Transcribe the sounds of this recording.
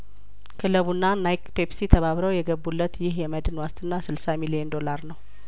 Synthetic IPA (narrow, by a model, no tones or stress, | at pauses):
kʰɨləβunːanajkpepsit̪ʰəβaβɾəwjɛɡəbːulːət̪jɪɦjɛməd̪ɨnwast̪ʰɨnːasɨlsamilijɛnd̪o̞laɾnəw